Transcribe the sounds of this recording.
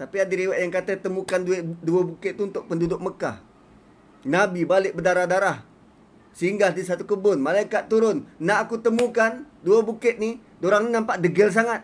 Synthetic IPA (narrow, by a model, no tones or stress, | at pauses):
t̪apiadiɾiwaʔjaŋkat̪ət̪əmukandueduabukɪt̪̚t̪ːuunt̪ʊk̚pəndudʊk̚məkah | nabibalɪk̚bədaɾahdaɾah | səiŋɡaldisat̪ukəbʊnmalajkat̪̚ːuɾʊnːaːkut̪əmukanduabukɪt̪̚ni | doɾaŋninampaʔdəɡəls̬aŋat̪̚